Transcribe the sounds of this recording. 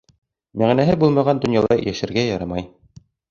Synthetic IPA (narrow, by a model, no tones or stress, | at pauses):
mæʁnæɦɘbulˠmɑʁɑnd̪ŏnjɑlˠɑjæʃɘ̆ɾɡæjɑɾɑmɑj